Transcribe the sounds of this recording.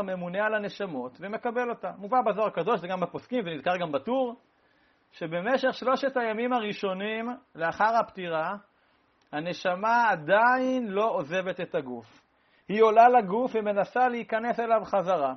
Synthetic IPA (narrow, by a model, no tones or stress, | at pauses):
me̞munealane̞ʃamo̞t̪veme̞kabe̞lo̞t̪amuvabazoʁakado̞ʃzeɡamaposkimvenid̪kaʁɡambatuʁ | ʃe̞be̞meʃe̞χʃlo̞ʃetajamimaʁiʃo̞nimleaχaʁhapt̪iʁa | hane̞ʃamaːd̪ainlo̞oze̞vet̪e̞t̪aɡuf | hio̞lalaɡufveme̞nasaleikane̞se̞lavχazaʁa